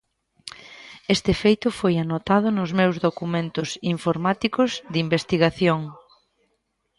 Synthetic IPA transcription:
est̪ɪfejt̪ʊfojanot̪að̞ʊnʊzmewzðokumẽnt̪ʊsiɱfoɾmat̪ikʊzðimbest̪iɣaθjoŋ

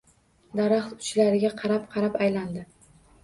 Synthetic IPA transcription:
d̪aɾaχt̪ʊ̥t͡ʃlaɾɪɡʲaqʰɑɾapqʰɑɾapajland̪ɪ

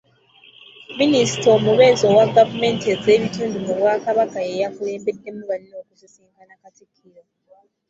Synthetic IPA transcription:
minisitomuβezowaɡavumentezeβituːndumuβwakaβakajejakule̞ːmbedːe̞muβaninokusisiːŋkʰanakatikʰiɾo

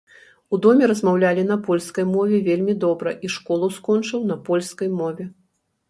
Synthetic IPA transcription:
ud̪ɔmʲɛɾɐzmawlʲalʲin̪ɐpɔlʲskɐjmɔvʲɛvʲelʲmʲid̪ɔbɾɐʔiʂkɔlˠɐskɔnt͡ʂɨwnɐpɔlʲskɐjmɔvʲɛ

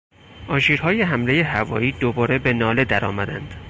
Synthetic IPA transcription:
ʔɒːʃiːɾhɒːje̞ɦæmle̞jehævɒ̰ːiːd̪obɒːɾe̞be̞nɒːle̞d̪æɾɒ̰ːmæd̪ænd̪̥

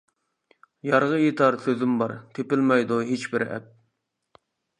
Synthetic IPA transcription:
jɑɾʁəjet̪ʰɑɾsøzɪmbɑɾt̪ʰepɪlmɑjd̪uɦet͡ʃbɪɾɛ̰p̚

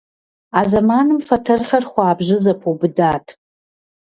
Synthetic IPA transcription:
azɐmanɨmfɐtʰɐrχɐrχʷaːbʑɪzɐpʰobɨdaːtʰ

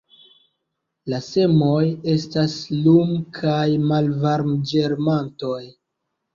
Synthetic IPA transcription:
lase̞mo̞je̞staslumkʰajmalvaɾmd͡ʒe̞ɾmanto̞j

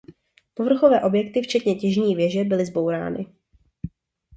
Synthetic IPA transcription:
po̞vr̩xo̞vɛːʔo̞bjɛkt̪ɪft͡ʃɛt̪ɲɛcɛʒɲiːvjɛʒɛbɪlɪzbo̞wɾa̰ːnɪ̰

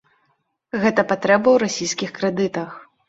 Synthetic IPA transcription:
ɣɛt̪ɐpat̪ɾɛbɐwɾasʲijsʲkʲixkɾɛd̪ɨt̪ɐx

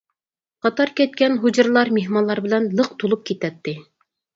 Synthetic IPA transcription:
qɑt̪ɑɾkʲæt̪̚kʲænɦud͡ʑɤ̆ɾlˠɑɾmeɦmɑnlˠɑɾbɘ̆lænlˠɤq̚t̪ulˠup̚kʲit̪æt̪ːɪ

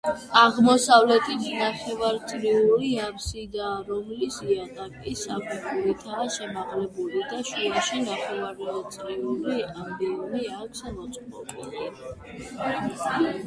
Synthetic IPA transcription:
aʁmɔsavlɛt̪ʰit̪ʰnaχɛvaɾt̪sʼɾiuɾiapsid̪aːɾɔmlisiat̪ʼakʼisapʰɛkuɾit̪ʰaːʃɛmaʁlɛbulid̪aʃuaʃinaχɛvaɾɔt̪sʼɾiuɾiambiɔmiaksmɔt̪sʼɔ̰pʼḭli

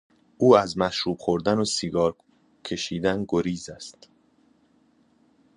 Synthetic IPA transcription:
ʔuːæzmæʃɾuːb̥xo̞ɾd̪ænosiɡɒːɾ | kʰe̞ʃiːd̪ænɡoɾiːzæst̪

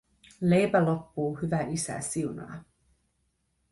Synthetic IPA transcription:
lejpælo̞pːuːhyʋæʔisæ̰siunɑ̰ː

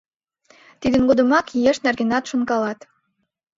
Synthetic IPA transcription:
t̪id̪ə̆nɡod̪ə̆mɑkjeʃnærɡenɑt̪ʃunkɑlɑt̪

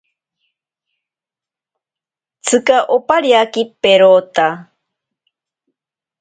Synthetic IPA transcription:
t͡sʰɨkaʔopaɾiakipeɾot̪a

